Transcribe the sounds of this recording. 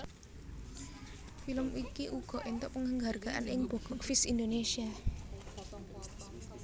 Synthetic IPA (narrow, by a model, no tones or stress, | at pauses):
filəmikiʔuɡ̥ɔ̤ʔint̪ʊʔpəŋhəŋɡarɡ̥a̤ʔa̰nɪŋb̥ɔ̤ɡ̥ɔ̤kfɪsind̪onesia